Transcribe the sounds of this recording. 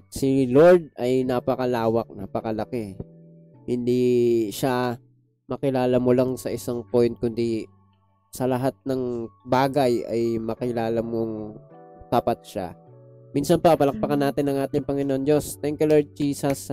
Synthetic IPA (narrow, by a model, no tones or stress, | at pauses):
sɪloɹd̪̚ɐjnapɐkɐlaːwɐk̚napɐkɐlɐkɛ | hɪnd̪iʃa | mɐkɪlaːlɐmolaŋsɐʔɪsaŋpojnt̪̚kʊnd̪i | sɐlɐɦat̪̚nɐŋbaːɡɐjɐ̰jmɐkɪlaːlɐmoŋt̪aːpɐt̪̚ʃa̰minsɐnpɐpɐlɐk̚p̪ɐkanːaːt̪ɪnːɐŋʔaːt̪ɪŋpɐŋɪnoʔond͡ʒo̞st̪ɛŋkjʊloɹd̪̚d͡ʒiːsɐs